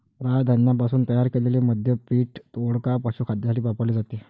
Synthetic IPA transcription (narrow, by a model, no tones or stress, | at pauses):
ɾad̪ʱənːjap̬asuːnt̪əjaɾkeleleməd̪ʱjəpiːʈt̪oɽkapaɕuːkʰad̪ʱjasʈiːpapəʋled͡zat̪e